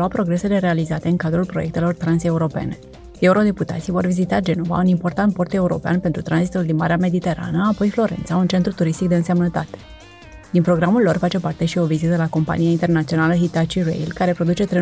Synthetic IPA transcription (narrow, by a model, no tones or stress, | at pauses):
uapɾo̞ɡɾe̞sele̞ɾealizat̪e̞ɨnkad̪ɾulpɾo̞je̞k̚t̪e̞lo̞rt̪ɾanse̞uɾo̞pe̞̰ne̞̰ | e̞uɾo̞d̪e̞put̪a̰t̪sijvo̞rvizit̪ad͡ʒe̞no̞va̰unimpo̞rt̪ant̪̚po̞rt̪e̞uɾo̞̰pea̰npe̞nt̪ɾut̪ɾanzit̪uld̪inmaɾeame̞d̪it̪e̞ɾa̰nəapo̞jflo̞ɾe̞̰nt̪saunt͡ʃe̞nt̪ɾut̪uɾist̪ikd̪eɨnse̞mnət̪a̰t̪e̥ | d̪inpɾo̞ɡɾamulːo̞rfat͡ʃe̞part̪e̞ʃio̞vizit̪əlako̞mpa̰niaint̪e̞rnat̪sio̞naləɦit̪at͡ʃiɾḛjlkaɾe̞pɾo̞d̪ut͡ʃe̞t̪ɾe